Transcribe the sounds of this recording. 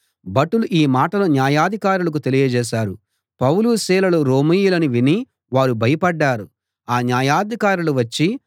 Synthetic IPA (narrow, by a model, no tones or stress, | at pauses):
bɐʈuluʔiːmaːʈɐlonjaːjaːd̪ʱikaːɾulɐk̬ut̪e̞lijɐd͡ʒɛːʃ̬aːɾṵ | pɐwluːsiːlɐluɾoːmijulɐniʋini | ʋaːɾubʱɐjɐpɐɖːaːɾu | aːnjaːjaːd̪ʱikaːɾuluʋɐt͡ʃːi